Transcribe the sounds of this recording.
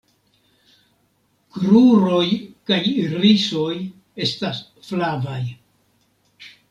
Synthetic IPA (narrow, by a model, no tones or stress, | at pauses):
kɾuɾo̞jkajɾiso̞j | e̞stas | flavaj